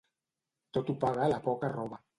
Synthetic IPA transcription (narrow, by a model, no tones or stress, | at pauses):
t̪ot̪upaɣalapɔkarɔβa